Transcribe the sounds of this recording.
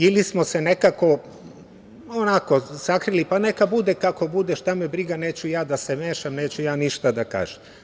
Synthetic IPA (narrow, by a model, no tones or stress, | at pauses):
ilismosene̞kako̞ | onako̞sakɾilipane̞kabud̪ekako̞bud̪eʃt̪amebɾiɡane̞ːt͡ɕujaːd̪asemeːʃamne̞ːt͡ɕujaːniʃt̪ad̪aka̰ːʒ̥em